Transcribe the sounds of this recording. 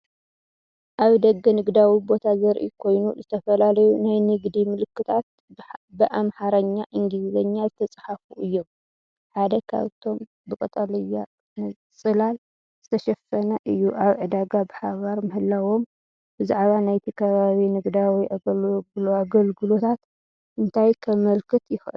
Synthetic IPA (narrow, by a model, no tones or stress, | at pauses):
ʔaβd̪ɐɡːɐnɨɡd̪awibo̞t̪ʰazɐɾʔḭkʰo̞jnuzɨt̪ʰɐfɐlalɐjunajnɨɡd̪imɨlɨkːɨt̪ʰat̪̚ | bɨʔamħaɾɐɲːaʔɨŋɡizzɐɲːazɨt̪ʰɐt͡sʼḁħafuʔɨjːom | ħad̪ɐkʰa̰βt̪ʰo̞m | bɨkʼɐt̪ʼalɨjːa | sʼɨlal | z̥ɨt̪ʰɐʃɐfɐnaʔɨjːuʔaβʕɨd̪aɡabɨħaβaɾmɨhɨlːawo̞m | bɨzaʕβanajt̪ʰikʰɐβaβinɨɡd̪ajwɔjʔaɡɡaɡɐlɡɨlo̞t̪ʰat̪ | ʔɨnt̪ʰajkʰɐβmɐlkʰɨt̪jɪxʔɨ̰l